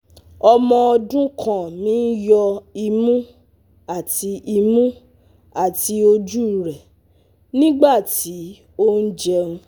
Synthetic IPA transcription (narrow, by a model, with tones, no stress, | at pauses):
ɔ˧mɔ̃˧ɔ˧dũ˦kʰã˦˨mĩː˨˦jɔ˧i˧mũ˦ | a˦˨ti˧i˧mũ˦ | a˦˨ti˧o˧d͡ʒu˦˨ɾɛ˨ | nĩ˦ɡ͡ba˦˨ti˨˦ | o˦n̩˦d͡ʒɛ˧ũ˧